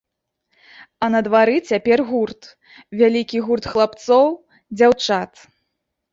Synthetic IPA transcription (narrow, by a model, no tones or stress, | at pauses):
ɐnɐd̪vaɾɨt͡sʲapʲɛrɣurt̪ | vʲalʲikʲiɣurt̪xlˠapt̪sɔw | d͡zʲawt͡ʂat̪